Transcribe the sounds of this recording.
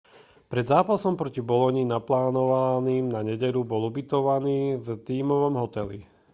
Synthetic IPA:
pɾɛd̪zaːpasɔmpɾɔcibɔlɔɲinaplaːnɔʋaniːmnaɲɛɟɛʎubɔlubit̪ɔʋaniːvt̪iːmɔʋɔmɦɔt̪ɛlḭ

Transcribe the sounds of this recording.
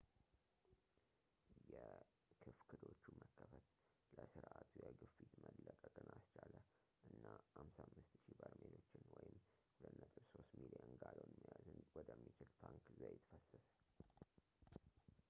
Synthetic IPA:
jɛ | kʰɨfkʰɨd̪o̞t͡ʃːuməkʰːəfət̪ | ləsɨɾʔat̪ʰujɛɡɨfːit̪məlːəkʼəkʼɨnast͡ʃalə | ʔɨnːahamsamːɨst̪ʃibəɾmelo̞t͡ʃːɪnwɔjɪm | lənːət̪ʼɨβso̞st̪milijənɡaləwnmːijazɨnwɔd̪əmːit͡ʃɪlt̪ʰaŋkzajɛt̪ʰfəsːəsə̥

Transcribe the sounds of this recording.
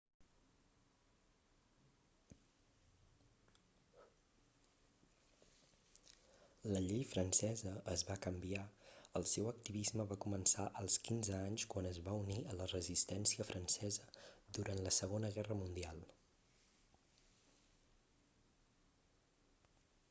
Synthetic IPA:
ləʎejfɾənsɛzəːzβakəmbiaəlˠsewək̚t̪iβizməβakumənsaʔəlˠskinzəaɲskwanəzβauniələrəzist̪ɛnsiəfɾʔənsɛzəd̪uɾʔant̪ləsəɣonəɣɛrəmund̪ialˠ

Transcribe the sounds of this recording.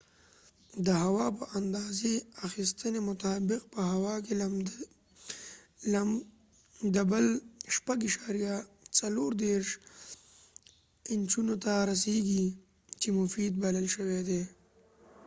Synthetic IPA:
d̪əɦawɑpəʔand̪ɑzeaxist̪ənemʊt̪ɑːbɪq̚pəɦawɑke | d̪əbəlʃpaɡiʃɑɾija | t͡saloɾd̪eɾʃ | ɪnt͡ʃunot̪aɾas̬eɡi | t͡ʃemʊfid̪̚baləlʃəwed̪e

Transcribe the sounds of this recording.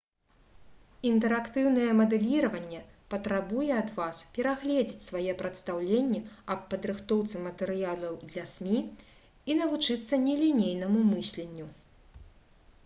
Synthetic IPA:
int̪ɛɾakt̪ɨwn̪ɐjɛmɐd̪ɛlʲiɾɐvɐnʲːɛpɐt̪ɾabujɛɐd̪vaspʲɛɾaɣlʲɛd͡zʲit͡sʲsvajɛpɾɐt̪st̪awlʲenʲːɛɐpːɐd̪ɾɨxt̪ɔwt̪sɨmɐt̪ɛɾɨjalˠɐwd̪lʲɐsʲmʲi | in̪ɐvut͡ʂɨt̪sːɐnʲɛlʲinʲejnɐmumɨsʲlʲenʲːu

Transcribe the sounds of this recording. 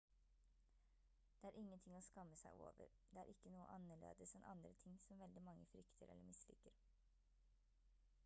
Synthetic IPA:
d̪̥eɛːæːɾʔɪŋːənt̪ʰɪŋoːskɑmːəsæɪʔo̰ːʋə̰ɾ | d̪̥eæːɾʔɪkːənuːə̰ʔɑnəɭḛːd̪əsɛnʔɑ̰nd̪ɾət̪ʰɪŋsɔmʋɛld̪ɪmɑŋːəfɾʏkt̪ʰəɾɛ̰ləɾmɪslɪ̰kəɾ

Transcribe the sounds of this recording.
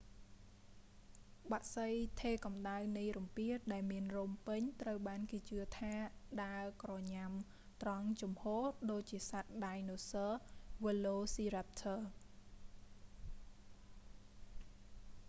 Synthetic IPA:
ɓaʔsəjt̪ʰeːkɑmɗawnijrumpiət̪̚ɗaɛlmiənrumpɨɲt̪rəwɓaːnkeːt͡ɕɨət̪ʰaːɗaəkrɑːɲam | t̪rɑŋt͡ɕumhoːhɗoːc̚t͡ɕiəsat̪̚ɗajnoːsəːʋəloːsiːɾap̚t̪ʰəː

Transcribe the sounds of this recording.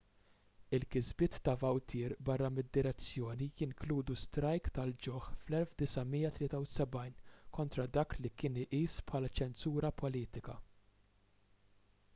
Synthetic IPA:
ɪlkɪzbɪːt̪ːɐvɐwt̪ʰɪːɾbɐrːɐmɪd̪ːɪɾɛt͡sːjɔːnijɪŋkluːd̪ust̪ɾɐjkt̪ɐld͡ʒɔħflɛlfd̪ɪsɐmiːjːɐt̪lɪːt̪ɐwsɛbɐjnkɔnt̪ɾɐd̪ɐːklikɪːnɪʔiːspħɐːlɐt͡ʃɛnsuːɾɐpʰɔliːt̪ɪkɐ̰

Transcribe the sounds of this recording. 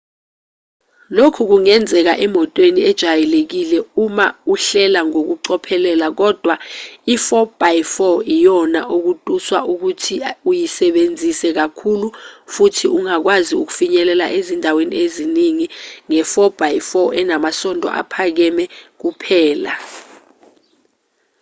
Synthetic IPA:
lokʰuk̬uŋɛnd͡zʱɛk̬aʔɛmɔtʼweniɛd̥ʒ̥ʱajɛlek̬ilɛumauɬɛlaŋok̬uǀɔpʰɛlɛlak̬ɔd̥ʱwaifɔb̥ʱajfɔijɔnaʔuk̬utʼuswa̰ʔuk̬utʰiujisɛɓend͡zʱisɛk̬akʰulufutʰiuŋak̬waziuk̬u̥fiɲɛlɛla̰ʔezindʱawenḭeziniŋiŋɛfɔb̥ʱajifɔʔɛnamasɔndʱɔ̰ʔa̰pʰak̬ɛmɛk̬upʰɛːla̰

